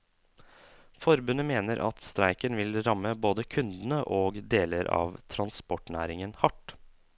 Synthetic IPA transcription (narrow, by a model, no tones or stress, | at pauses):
fɔɾbʉnəmeːnəɾʔɑ̰t̪st̪ɾæɪkənʋɪlɾɑmːəboːd̪əkʰʉnd̪n̩əʔoːɡd̪eːləɾɑ̰ːʋt̪ʰɾɑnspɔʈɳæ̰ːɾɪŋənhɑʈ